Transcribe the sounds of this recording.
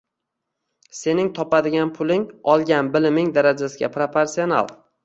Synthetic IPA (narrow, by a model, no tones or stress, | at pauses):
se̞nɪŋt̪ʰɒpad̪ɪɡʲanpʰʊlɪŋɒlˠɡʲanbɪlɪmɪŋd̪aɾad͡ʒasɪɡʲa̰pɾopʰeɾsiona̰lˠ